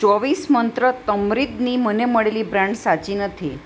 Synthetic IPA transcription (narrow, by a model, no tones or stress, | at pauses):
t͡ʃɔʋismənt̪ɾət̪əmɾid̪niməneməɭelibɾãɳɖsat͡ʃinət̪ʰi